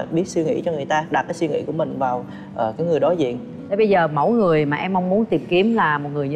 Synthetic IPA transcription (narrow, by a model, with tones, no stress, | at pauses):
ɓi˦˥ət̚swi˧ŋḭ˧˥t͡ɕɔ˧ŋɨ˨˩əjt̪aː˧ɗa˨˩t̚kaː˨˦jswi˧ŋḭ˧˥ku˧˩əmï˨˩ŋ̟vaː˨˩w | ʔəː˨˩kaː˨˦jŋɨ˨˩əjɗɔ˨˦jzḭ˧˨ən | e˨˦ɓə˧jzəː˨˩mə̰˧˥wjŋɨ˨˩əjmaː˨˩ʔɛ˧mːa˧wŋ͡mmu˨˦ənt̪i˨˩əmki˨˦əmlaː˨˩mo˨˩t̚ŋɨ˨˩əjɲ˧